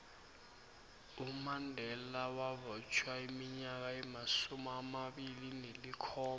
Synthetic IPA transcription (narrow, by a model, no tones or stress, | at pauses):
umandʱɛlawaβɔt͡ʃʰwaimiɲak̬aimasumuamaɓilinelikʰɔː